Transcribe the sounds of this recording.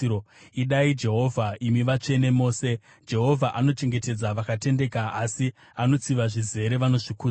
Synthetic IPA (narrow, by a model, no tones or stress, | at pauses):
o | iɗaid͡ʒe̞ɦo̞vʱaimiʋat͡ʂe̞ne̞mo̞ːse̞ | d͡ʒe̞ɦo̞vʱaʔano̞t͡ʃe̞ŋɡe̞te̞d͡zaʋakate̞nde̞kaasi | ano̞t͡siʋaʐize̞ɾe̞ʋano̞ʐikuː